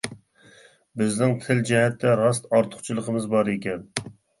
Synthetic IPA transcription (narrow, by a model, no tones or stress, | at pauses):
bɪznɪŋt̪ʰɪld͡ʒɛɦɛt̪ʰːɛɾɑst̪ɑɾt̪ʰʊ̥χt͡ʃʰilˠəqʰəmɨzbɑɾekʲɛn